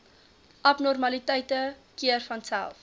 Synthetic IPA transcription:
ʔɐpnɔrmɐlitəjtəkiərfɐnsæ̰lˠf

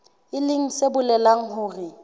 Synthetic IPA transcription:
ɪlɪŋ̩sebʊlɛlaŋ̩hʊːrɪ

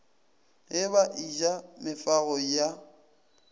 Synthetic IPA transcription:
ɪβaʔid͡ʒamɪfaɣɔja

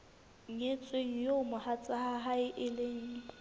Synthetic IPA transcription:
ŋŋet͡sʼweŋ̩jomʊhat͡sʼahaɦaɪʔɪleŋ̩

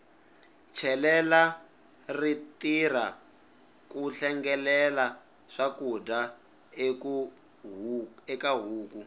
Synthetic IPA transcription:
t͡ʃʰɛlɛla | ritira | kuɬɛŋɡɛlɛla | ʂakuda | k | ɛkaɦuːku

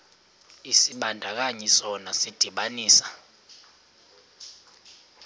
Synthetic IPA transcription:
isiɓandʱak̬aɲɛsɔnasid̥ʱiɓaniːsḁ

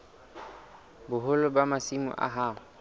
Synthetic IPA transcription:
bʊɦʊlʊbamasimʊ̰ʔa̰ɦa

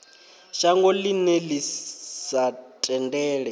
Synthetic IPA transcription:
ʃaŋɡɔlinɛlisatʼɛndɛːɺɛ

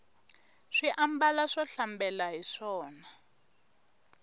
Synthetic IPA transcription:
ʂiʔambalaʂɔɬambɛlaɦiʂɔːna

